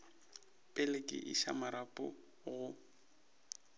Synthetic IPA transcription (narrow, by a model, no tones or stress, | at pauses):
pʼɪlɪkʼɪ̰ʔɪʃa̰maɾapʼʊ | ɣʊ